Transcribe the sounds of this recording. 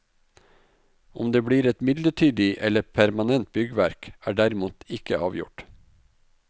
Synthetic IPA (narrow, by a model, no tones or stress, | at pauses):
ʊmd̪eːbɽiːɾɛt̪mɪd̪ləʈʰyːd̪ɪʔɛləpʰæɾmɑnɛnt̪̚bʏɡəʋæɾkæːɖæɾɪmuːt̪ɪkəɑːʋjʊ̰ʈ